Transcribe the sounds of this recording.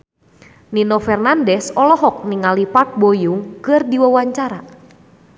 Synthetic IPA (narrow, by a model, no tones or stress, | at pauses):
ninofɛrnandɛsɔlɔɦɔk̚niŋalipat̪̚bojuŋkɨrdiwawaɲt͡ʃaɾa